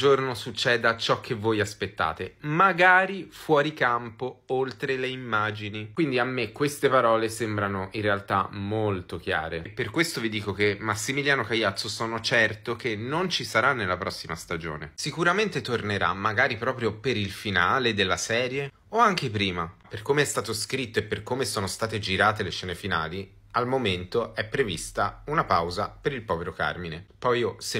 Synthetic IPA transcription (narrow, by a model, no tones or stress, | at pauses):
d͡ʒornosut͡ʃːɛːd̪at͡ʃɔk̟ːevːojaspet̪ːa̰ːt̪emaɡaːɾifwɔːɾikampoolt̪ɾeleimːaːd͡ʒinikwind̪iamːekːwest̪epaɾɔːlesembɾanoʔirːealt̪a̰molt̪ok̟ja̰ːɾepːerkwest̪ovid̪iːkok̟emːasːimiljaːnokajːat̪sːosɔːnot͡ʃɛrt̪okenont͡ʃisaɾanːelːapɾɔsːimast̪ad͡ʒo̰ːnesikuɾament̪et̪orneɾa̰mːaɡaːɾipɾɔːpɾjopeɾilfinaːled̪elːasɛːɾje | oaŋk̟epɾiːmaperkomeɛst̪aːt̪oskɾit̪ːoepːerkoːmesoːnost̪aːt̪ed͡ʒiɾaːt̪eleʃɛːnefinaːli | almoment̪oɛpːɾevist̪aunapawzapeɾilpɔːveɾoka̰rminepɔjose